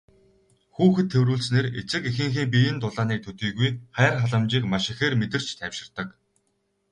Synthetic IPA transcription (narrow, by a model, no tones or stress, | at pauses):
xuːxɘ̆t̪ʰːewɾuːɮsneːret͡sɘ̆kexɘ̆ŋxiːŋp̬ijɘ̆nt̪ʊɮaːniːk̚t̪ʰɵt̪iːɣujχæːrχaɮə̆mt͡ɕiːkmaʃɪ̆xeːrmet̪ɘ̆r̥t͡ɕt̪ʰæwʃɪ̆rt̪ə̆k